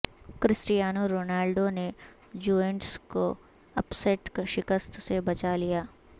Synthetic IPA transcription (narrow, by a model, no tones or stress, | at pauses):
kɾɪsɾɪjaːnoɾoːnaːlɖone | d͡ʒuːeɳʈsko | ɐpseːʈkʃɪkəst̪sebɐt͡ʃalijaː